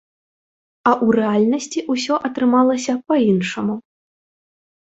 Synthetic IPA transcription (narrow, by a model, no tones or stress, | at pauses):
ɐʔurɛalʲnɐsʲt͡sʲiʔusʲɔʔɐt̪ɾɨmalˠɐsʲɐpɐinʂɐmu